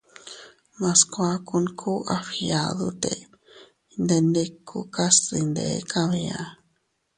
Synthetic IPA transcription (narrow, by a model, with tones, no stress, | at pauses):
mã˧skʷa˧ku˧nkʰu˦ʔa˧fi˧a˨ðu˦t̪ḛ˨˧ | nd̪e˧nd̪e˦kʰu˧ka˦si˧nd̪ḛ˨˦kã˦βĩ˧ã˧